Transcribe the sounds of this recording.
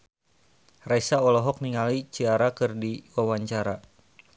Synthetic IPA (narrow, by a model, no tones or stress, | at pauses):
raisaɔlɔɦɔk̚niŋalit͡ʃiaɾakɨrdiwawaɲt͡ʃaɾa